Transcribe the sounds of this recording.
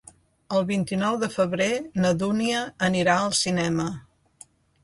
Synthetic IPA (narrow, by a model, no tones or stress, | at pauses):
əlˠβint̪inɔwðəfəβ̞ɾenəðuniəːniɾaəlˠsinɛmə